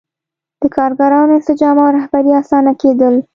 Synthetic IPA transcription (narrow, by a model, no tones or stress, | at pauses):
d̪̥əkɑɾɡaɾɑnoɪnsɪd͡ʒɑmawɾahbaɾiasɑnaked̪əl